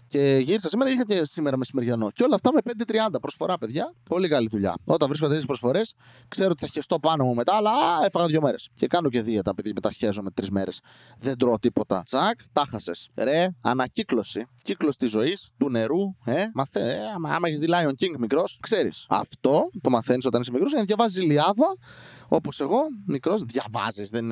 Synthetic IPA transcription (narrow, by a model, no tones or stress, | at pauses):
ce̞ʝiɾisɐsime̞ɾɐixɐcesime̞ɾɐmesimeɾʝɐno̞ceo̞lɐːft̪ɐme̞pend̪et̪ɾiɐnd̪ɐpɾo̞sfo̞ɾɐpeðʝɐpo̞likɐliðuʎɐ̰o̞t̪ɐɱvɾiskond̪espɾosfo̞ɾe̞s | kseɾoot̪iθɐçest̪o̞pɐnomume̞t̪ɐːlɐefɐɣɐðʝo̞me̞ɾesce̞kɐnoce̞ðiet̪ɐpiðimet̪ɐsçezome̞t̪ɾizme̞ɾes | ðend̪ɾot̪ipo̞t̪ɐ̰t͡sɐkt̪ɐxɐse̞sɾe̞ɐ̰nɐciklo̞siciklosi̥t̪izo̞ist̪une̞ɾuemɐθeeɐ̰mɐeçizðilɐioŋciŋɡmikɾo̞skse̞ɾḭsɐ̰ft̪o̞t̪o̞mɐθe̞nisot̪ɐnis̬mikɾosɐðjʝɐvɐzizliɐðɐ | o̞po̞se̞ɣo̞mikɾo̞zðʝɐvɐ̰zizðen